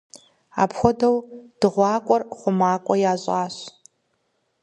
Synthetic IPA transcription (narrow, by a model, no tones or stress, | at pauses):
a̰ːpxʷɔdɐwd̥ɨʁʷɑːkʷʼɔrχʷʊmaːkʷʼɔjaːɕʼaːɕ